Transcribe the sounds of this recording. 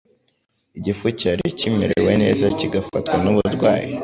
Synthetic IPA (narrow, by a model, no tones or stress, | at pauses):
iɟifucaɾicimeɾewe̞ne̞̰ːzaciɡafatwanuβuɾɡwaːji